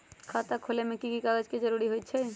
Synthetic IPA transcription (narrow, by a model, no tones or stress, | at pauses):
kʰaːt̪akʰoːlemẽkikikaɡəd͡ʒkid͡ʒɐɾuːɾiɦoit̪̚t͡ʃʰɛ